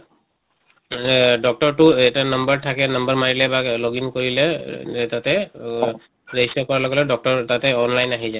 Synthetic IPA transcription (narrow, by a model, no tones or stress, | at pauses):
dɔk̚tɔɹtʊɛtanʌmbaɹtʰakɛnʌmbaɹmaɹilɛbaloɡinkoɹilɛtatɛ | ɹesɔkɔɹalɔɡɛlɔdɔk̚tɔɹtatɛɔnlajnaɦiza